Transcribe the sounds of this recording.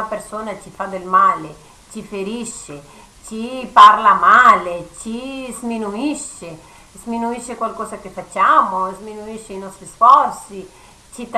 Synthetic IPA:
apeɾsoːnat͡ʃifad̪elmaːle | t͡ʃifeɾiʃːe | t͡ʃiparlamalet͡ʃizminuiʃe | zminuiʃːekwalkɔːzakefat͡ʃːamozminuiʃːeinɔst̪ɾisfɔɾsi | t͡ʃit̪

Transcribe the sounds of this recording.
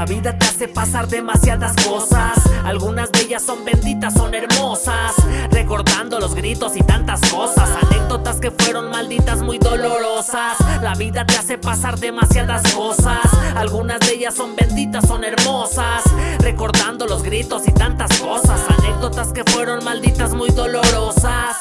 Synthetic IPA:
aβiðat̪easepasaɾðe̞masjaðasko̞sasalɣunazðeeʝasːo̞mbe̞nd̪it̪asːo̞ne̞ɾmo̞sasre̞ko̞ɾðand̪o̞lo̞zɣɡɾit̪o̞sit̪ant̪asko̞sasane̞k̚d̪o̞t̪aske̞fwe̞ɾo̞nmald̪it̪azmujðo̞lo̞ɾo̞saslaβiðat̪e̞ase̞pasaɾðe̞masjaðasko̞sasalɣunazðee̞ʝasːo̞mbe̞nd̪it̪asːo̞ne̞ɾmo̞sasre̞ko̞ɾðand̪o̞lo̞zɣɾit̪o̞sit̪ant̪asko̞sasane̞k̚ðo̞t̪aske̞fwe̞ɾo̞nmald̪it̪azmujðo̞lo̞ɾo̞sas

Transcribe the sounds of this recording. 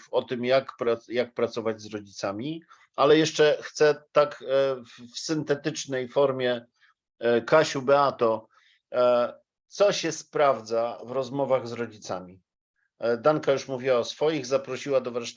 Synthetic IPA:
fɔt̪ɘmjakpɾajak̚pɾat̪sɔvad͡ʑzɾɔd͡ʑit̪samʲi | alɛjɛʂt͡ʂɛxt̪sɛt̪akffsɘnt̪ɛt̪ɘt͡ʂnɛjfɔɾmʲjɛ | kaɕubɛat̪ɔ | t̪sɔɕɛspɾavd̪zavɾɔzmɔvaɣzɾɔd͡ʑit̪sa̰mʲi | d̪aŋkajuʂmuvʲiwaɔsfɔjiɣzapɾɔɕiwad̪ɔvɾaʂt̪

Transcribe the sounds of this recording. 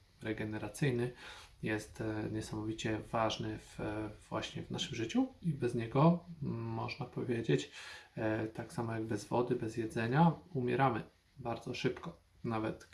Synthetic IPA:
ɾɛɡɛnɛɾat̪sɘjnɘjɛst̪ɲɛsamɔvʲit͡ɕɛvaʐnɘvvwa̰ɕɲɛvnaʂɘmʐɘt͡ɕuibɛzɲɛɡɔmɔʐnapɔvʲjed͡ʑet͡ɕ | t̪aksamɔjaɡ̚bɛzvɔd̪ɘbɛzjɛd̪zɛɲaumʲjɛɾamɘ | baɾd̪zɔʂɘpkɔ | navɛt̪

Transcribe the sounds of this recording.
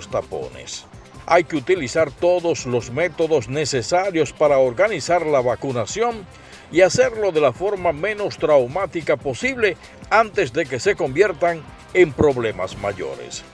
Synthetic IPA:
st̪apo̰nḛs | ajkeut̪ilisaɾt̪o̞ðo̞slo̞zme̞t̪o̞ðo̞sne̞se̞saɾjo̞spaɾaoɾɣanisaɾlaβakunasjo̞n | iaseɾlo̞ðe̞lafo̞ɾmamẽ̞no̞st̪ɾawmat̪ikapo̞siβle̞ | ant̪ezðe̞ke̞se̞ko̞mbje̞ɾt̪aŋ | empɾo̞βle̞ma̰zma̰ʝo̰ɾḛs

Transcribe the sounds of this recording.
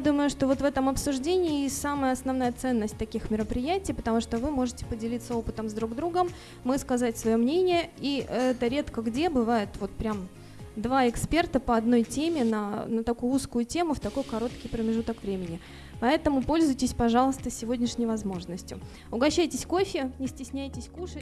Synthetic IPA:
jad̪uməjʊʂt̪o̞vo̞t̪vɛt̪əmɐpsʊʐdʲenʲɪːsaməjəɐsnɐvnajət̪sɛnːəsʲt̚ʲt̪ɐkʲixmʲɪɾəpɾʲɪjætʲɪjpət̪ɐmuʂt̪ovɨmo̞ʐɨtʲɪ̥pədʲɪlʲit̪sːəo̞pɨt̪əmzd̪ɾuɡd̪ɾuɡəmː | ɨskɐzatʲsvɐjo̞mnʲenʲɪjəiɛt̪əɾʲe̞t̪kəɡdʲe̞bɨvajɪt̪vo̞t̪pɾʲam | d̪vaɪkspʲert̪əpəɐd̪no̞jtʲemʲɪnənət̪ɐkujʊuskʊjʊtʲe̞mʊft̪ɐko̞jkɐɾo̞t̪kʲɪjpɾəmʲɪʐut̪əkvɾʲemʲɪnʲɪ | pɐɛt̪əmʊpo̞lʲzʊjtʲɪsʲpɐʐɑlˠəst̪əsʲɪvo̞dʲnʲɪʂnʲɪjʊvɐzmo̞ʐnəsʲtʲjʊ̰ | ʊɡɐɕːæjtʲɪsʲko̞fʲɪnʲɪsʲtʲɪsʲnʲæjtʲɪsʲkuʂə

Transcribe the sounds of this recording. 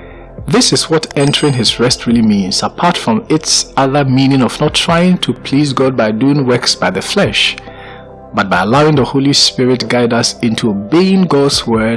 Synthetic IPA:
ðɪsɨzwɔtɛ̃ntʰəɹɪ̃ŋɪzɹɛstʰɹilˠimĩnz̥əpʰaɹtfɹʌ̃mɪtsʌðə˞mĩnɪ̃ŋɔvnətʰɹ̥aɪɪ̃ŋtʰəpʰl̥izɡɔd̚baɪduɪ̃ŋwɜ˞ksb̥aɪðɨflɛʃ | bʌt̚b̥aɪəlaʊɪ̃ŋðəholˠispɪɹɪt̚ɡ̥aɪdʌsɪ̃ntʰuobeɪɪ̃nɡɔdz̥wɜ˞d

